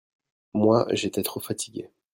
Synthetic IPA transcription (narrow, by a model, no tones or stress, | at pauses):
mwa̰ʒet̪ɛt̪χofat̪ʰiɡʲḛ